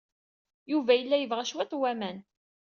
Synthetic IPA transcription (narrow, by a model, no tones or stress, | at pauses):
juvæjəlːæjəvʁæʃwæt̪ˤwæmæn